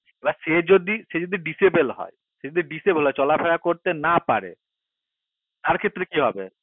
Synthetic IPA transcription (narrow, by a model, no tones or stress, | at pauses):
ebaʃed͡ʑod̪iʃed͡ʑod̪iɖisebelɦɔ̰e | ʃed͡ʑod̪iɖisebelɦɔet͡ɕɔlapʰeɾakoɾt̪enapa̰ɾḛ | t̪aɾkʰet̪ːɾekiɦɔbḛ